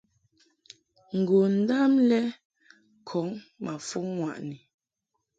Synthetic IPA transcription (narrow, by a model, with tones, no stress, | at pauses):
ŋ̩˨ɡo˨n̩˦da˦mlɛ˦ | kʰɔ˨˦ŋma˨fu˦ŋːwa˨ʔni˨